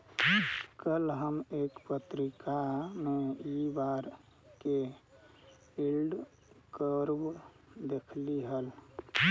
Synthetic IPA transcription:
kəlɦəmekpət̪ɾikameibaɾ | ke | ilɖ | kəɾb | d̪ekʰliɦəl

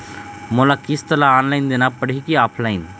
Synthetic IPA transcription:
moːlaːkɪst̪ɐlaaːnlaːɪnd̪ɪnapəɽ̤ikiaːpʰlaːɪn

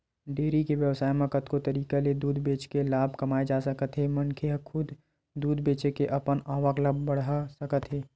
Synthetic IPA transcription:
ɖeːɾikeʋjəʋsaːjmẽkɐt̪kot̪ɐɾiːkaled̪uːd̪ʱbeːt͡ʃkelaːbʱkɐmaːed͡ʒaːsɐkət̪ɦɛmɐnkʰeɦəkʰʊd̪ | d̪uːd̪ʱbeːt͡ʃekeʔɐpənaːʋəkləbbɐɽ̤asɐkət̪ɦɛː

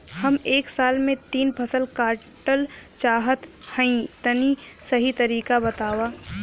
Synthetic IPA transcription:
hɐmeːksaːlmẽt̪iːnpʰɐsəlkaːɾ | ʈəl | t͡ʃaːɦət̪ | hə̃ĩt̪ɐni | sɐɦit̪ɐɾiːkabɐt̪aːwaː

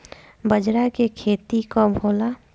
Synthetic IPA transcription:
bəd͡ʒɾakekʰeːt̪ikobʱoːla

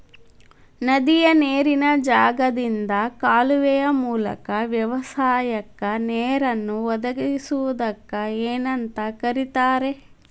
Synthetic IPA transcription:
nɐd̪ijɐneːɾinɐd͡ʒaːɡɐd̪ind̪ɐkaːluʋɛjɐmuːlɐ̰kɐʋjɐʋɐsaːjɐkːɐnɛeːɾɐnːuʋɔd̪ɐɡisuʋud̪ɐkːɐeːnɐnt̪ɐkɐɾit̪aːɾe̞

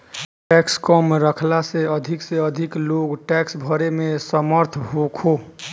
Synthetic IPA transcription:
ʈɛkskɔmɾəkʰlaseəd̪ʱikseəd̪ʱikloɡʈɛksbʱəɾemesəməɾt̪ʰɦokʰo

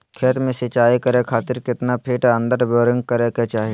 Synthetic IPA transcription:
kʰeːt̪mẽsɪt͡ʃaːikəɾekʰaːt̪ɪɾkɪt̪napʰiːʈə̃nd̪əɾboːɾɪ̃ŋɡ̚kəɾeket͡ʃaːɦie

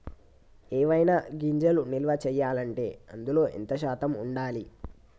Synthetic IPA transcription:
eːʋɐjnaɡiɲd͡ʒɐlunilʋɐt͡ʃɛːjːaːlɐɳʈe̞̰ːɐ̰nd̪ulo̞ːʔḭnt̪ɐʃ̬aːt̪ɐmuɳɖaːli

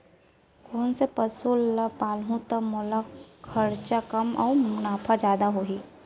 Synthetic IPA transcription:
kɔːnsepɐsulɐpaːlɦũt̪əmʊlakʰɐɾt͡ʃakɐmɔ̰ːmʊnaːpʰad͡ʒjaːd̪aɦoːɦiː

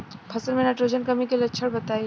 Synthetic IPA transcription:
pʰɐsəɾmẽnaʈɾoːd͡ʒənkɐmikelɐtːʃʰəɽbɐt̪aːi

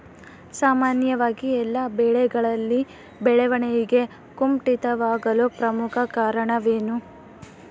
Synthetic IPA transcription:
saːmaːnjɐʋaːɡiɛlːɐbɛɭɛɡɐɭɐlːi | bɛɭɛʋɐɳɛjiɡe̞ | kumʈit̪ɐʋaːɡɐlopɾɐmukʰɐkaːɾɐɳɐʋeːnu

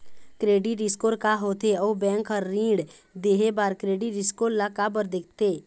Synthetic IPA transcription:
kɾeːɖiʈɖɪskoːɾkaɦoːt̪ʰeɔːbɛ̃ːŋkəːĩːɖd̪eːɦebaːɾkɾeːɖiɖɪskoːɾlakabəɾd̪eːk̚ʰt̪eː

